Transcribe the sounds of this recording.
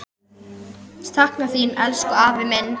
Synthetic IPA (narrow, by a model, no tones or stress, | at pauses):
st̪ʰahknaθinɛlskʏaːvɪmɪnː